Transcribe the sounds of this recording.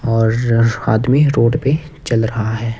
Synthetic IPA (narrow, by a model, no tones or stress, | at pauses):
ɔːɾaːd̪miɾoːɖpe | t͡ʃɐlɾɐɦaɦɛː